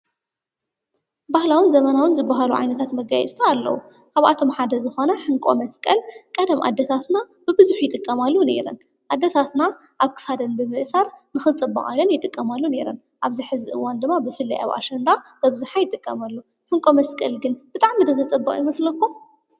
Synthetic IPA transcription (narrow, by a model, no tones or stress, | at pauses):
bahlawɨnzɐmɐnawɨnzɨbːaɦaluʕa̰jnɐt̪ʰat̪mɐɡajɛ̰sʼt̪ʰaalːɐ̰wṵ | kʰaβʔa̰t̪ʰo̞mħad̪ɐzɨxo̞nɐħɨŋkʼo̞̰mɐskʼɐlkʼɐd̪ɐmʔa̰d̪ːɐt̪ʰat̪na | b̥ɨbɨzuħjɪt̪ʼɨkʼːɐmalːune̞̰ɾɐ̰n | ʔad̪ːɐt̪ʰat̪na | ʔaβkʰɨ̥sad̪ɐnbɨmɨʔsaɾnɨxɨt͡sʼɨbːɐ̰χʼa̰lonjɪt̪ʼɨkʼːɐmalːune̞ɾɐn | ʔaβziħɨziʔɨ̰wand̪ɨmːabɨfɨlːiʔa̰wʔa̰ʃɐnd̪ab̥ɐβzuħajɪt̪ʼɨkʼːɐmalːu | ħɨŋkʼo̞mɐskʼɐlɡɨnb̥ɨt̪ʼaʕmid̪ɨxɨt͡sʼɨbːɐχʼjɪmɐslɐkːo